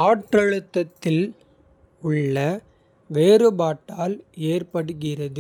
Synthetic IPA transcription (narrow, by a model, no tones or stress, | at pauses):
aːʈrɐɻɯt̪ːɐt̪ːɪl | ʊɭːɐ | ʋeːɾɯbaːʈːaːleːrpɐɽɯɣɪrɐðɯ